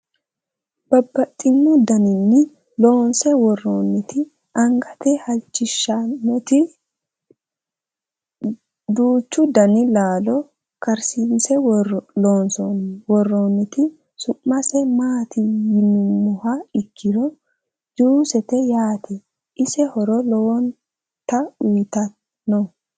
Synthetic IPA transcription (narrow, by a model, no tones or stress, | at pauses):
b̥ɐbːɐt̪ʼːɪnːʊd̪ɐnɪnːɪ | lo̞ːnsɛwɔroːnːɪt̪ʰɪ | ɐŋɡɐt̪ɛhɐlt͡ʃːɪʃːɐnːɛt̪ɪ | d̪uːt͡ʃːʊd̪ɐnɪlaːlɔ | kɐɾsiːnsɛloːnsɔnwɔrːoːnːɪt̪ɪ | sʊʔːɐsɛmaːt̪ɪjɪnːʊmːɔhɐɪkːɪɾɔ | d͡ʒ̪uːsɛt̪ɛjaːt̪ʰɛ | ɪsɛhɔɾɔloːn | t̪ɐʊjt̪ɐ | nɔ